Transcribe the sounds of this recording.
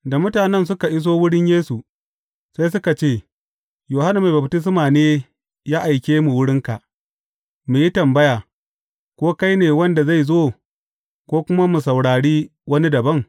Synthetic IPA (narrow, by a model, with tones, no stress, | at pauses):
da˨mʊ˦taː˨nɛ˦nsʊ˦ka˨ʔɪ˦s̬oː˦wʊ˦ɽɪ˦ɲjeː˦su˨ | sa˦js̬ʊ˦ka˨t͡ʃeː˦˨ | joː˨ha˦na˨ma˨bɐ˨btɪ˦s̬maː˨neː˦ | jaː˦ʔa˨jkʲeː˦mu˨wʊ˦ɽɪ˦ŋka˨ʔ | mu˨ji˦tɐ˨mbɐ˦jaː˨ | kʷoː˦ka˦jneː˨wɐ˦nda˨za˦˨jzoː˦ | kʷoː˦kʷʊ˦ma˦mu˨sɐ˨wɽaː˨ɽiː˦wɐ˦ni˦dɐ˨bɐ˦ŋ